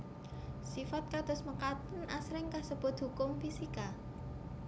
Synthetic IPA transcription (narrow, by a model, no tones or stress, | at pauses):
sifat̪̚kad̪̥ʊ̤sməkat̪ənasɾɪŋkasəb̥ʊ̤t̪̚hukʊmfisika